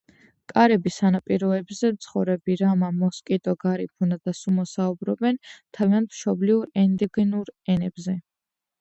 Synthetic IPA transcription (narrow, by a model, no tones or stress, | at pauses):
kʼaɾɛbisanapʼiɾɔɛbzɛmt̪sʰχɔvɾɛbiɾamamɔskʼit̪ʼɔɡaɾipʰunad̪asumɔsaubɾɔbɛnt̪ʰaviant̪ʰm̥ʃɔbliuɾɛnd̪ɛɡɛnuɾɛnɛbzɛ